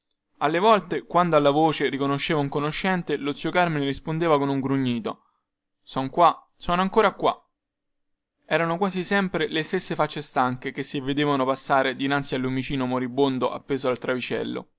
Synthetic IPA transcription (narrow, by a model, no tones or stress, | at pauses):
alːevɔlt̪ekwand̪oalːavoːt͡ʃerikonoʃːeːvauŋkonoʃːɛnt̪elot̪siokarmenrispond̪eːvakonuŋɡɾuɲːiːt̪o | sɔŋkwa | sɔːnoaŋkoːɾakwa̰ | ɛːɾanokwaːzisɛmpɾelest̪esːefat͡ʃːest̪aŋkekesːivːed̪eːvanopasːaːɾed̪inansialːumit͡ʃiːnomoɾibːond̪oʔa̰pːeːzoalt̪ɾavit͡ʃɛ̰lːo̰